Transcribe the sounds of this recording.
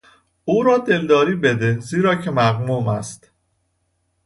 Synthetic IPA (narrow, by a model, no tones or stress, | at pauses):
uːɾɒːd̪e̞ld̪ɒːɾiːbed̪eziːɾɒːcʰe̞mæɣmuːmæ̰st̪